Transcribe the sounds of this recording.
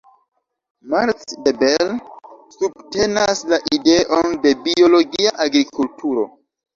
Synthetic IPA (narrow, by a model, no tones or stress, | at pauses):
maɾtdebelsub̚te̞naslaʔide̞ʔo̞nde̞bio̞lo̞ɡiaʔaɡɾikʰultuɾo̞̰